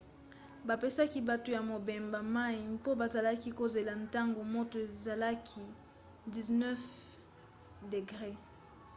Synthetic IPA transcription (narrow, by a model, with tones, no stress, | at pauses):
ba˨pe˦sa˦ki˦ba˦to˦ja˨mo˨be˨mba˨ma˦i˨po˦ba˨za˨la˦ki˦ko˨ze˨la˨nta˦ŋɡo˨mo˦to˨e˨za˨la˦kʰi˦ | di˨znɛ˦f | de˨ɡʁe˦